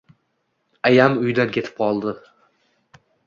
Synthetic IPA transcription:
ajamʊjd̪ankʲʰe̞t̪ʰɪ̥p̚qʰɒlˠd̪ɪ

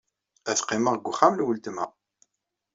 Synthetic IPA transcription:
æθqːiməʁɡʷːʊχaməlwəlt̪mæ

